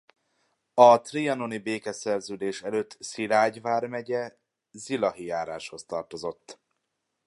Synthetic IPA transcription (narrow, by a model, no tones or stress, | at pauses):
ɒt̪riɒno̞nibeːkɛsɛrzøːd̪eːʃɛløːt̪ːsilaːɟvaːrmɛɟɛ | zilɒɦijaːɾaːʃho̞st̪ɒrt̪o̞zo̞t̪ː